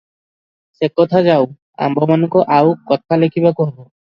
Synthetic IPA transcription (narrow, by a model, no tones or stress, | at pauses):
sekːɔt̪ʰad͡ʑaw | a̰mbɔmanukɔʔawkɔt̪ʰalekʰibakɔɦbo